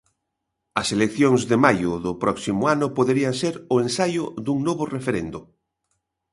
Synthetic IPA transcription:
ɐselekθjoŋzðemajʊðʊpɾɔksimʊanʊpoðeɾiaŋseɾʊẽnsajʊðuŋnoβʊrefeɾend̪ʊ

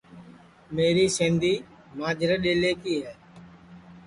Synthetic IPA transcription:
meːɾiːsẽːnd̪iː | maːd͡ʒʱɾəɗeːleːkiːɦɛː

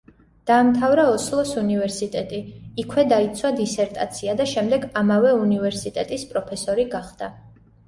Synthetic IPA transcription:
d̪̥aːmt̪ʰavɾaɔslˠɔsunivɛɾsit̪ʼɛt̪ʼiːkʰwɛd̪ait̪sʰwad̪isɛɾt̪ʼat̪sʰiad̪aʃɛmd̪ɛɡamavɛunivɛɾsit̪ʼɛt̪ʼispʼɾɔpʰɛsɔɾiɡaχd̪̥a

